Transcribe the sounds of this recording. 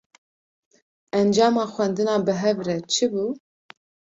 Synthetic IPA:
ɛnd͡ʒɑːmɑːxʷwɛnd̪ɨnɑːbɨɦɛvɾɛt͡ʃʰɨbuː

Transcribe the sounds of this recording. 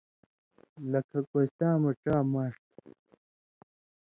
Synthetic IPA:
lɐkʰɐkot̪aːmɐʈ͡ʂaːmaːʂt̪

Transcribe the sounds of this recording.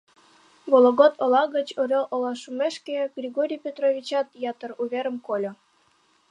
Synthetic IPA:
βolˠoɣot̪olɑɣə̆t͡ɕoɾʲoʔolɑʃumeʃkeɡ̥rʲiɣoɾʲijpʲot̪roβʲit͡ɕɑt̪jɑt̪ə̆ruβʲeɾə̆mkolʲŏ

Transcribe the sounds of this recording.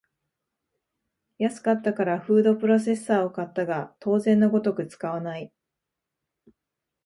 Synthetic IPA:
jasɨ̥kat̪ːakaɾaɸɯ̟ːd̪o̞pɯ̟ɾo̞s̬e̞sːaːo̞kat̪ːaɡat̪o̞ːzẽ̞nːo̞ɡo̞t̪o̞kɯ̟t͡sɨ̥kaβ̞anai

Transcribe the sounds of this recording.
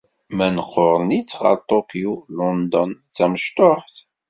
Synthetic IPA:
mænəqːoɾˤnit͡sːʁɑ̰ɾt̪ˤokiulond̪ɔnt͡sːæməʃt̪oħθ

